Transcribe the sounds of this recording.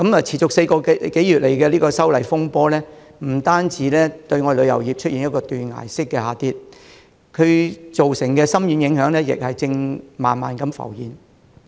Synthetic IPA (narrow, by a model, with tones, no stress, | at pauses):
kɐ˨˥mɐ˨t͡sʰiː˨˩t͡ʃʊ˨kse˧jkɔː˧ke˨˥jyː˨t̚le˨˩jkɛː˧liː˥kɔː˧sɐ˥wlɐ˨˩jfʊ˥ŋpɔː˥lɛː˥ | m̩˨˩t̪aː˥nt͡siː˨˥lɛː˥t̪ɵ˧ɥŋɔ˨˧lɵ˨˧ɥjɐ˨˩wjiː˨p̚t͡ʃʰɵ˥t̚jiː˨njɐ˥t̚kɔː˧t̪yː˨nŋa̰ː˨˩jsɪ˥kːɛː˧haː˨˧t̪iː˧t̚ | kʰɵ˨˧ɥt͡so˨wsɪ˨˩ŋkɛː˧sɐ˥mjyː˨˧njɪ˨˥ŋhœː˨˥ŋlɛː˥jɪ̰˨k̚hɐ˨jt͡sɪ˧ŋmaː˨nmaː˨nkɐ˨˧mfɐ̰˨˩wjiː˨˩n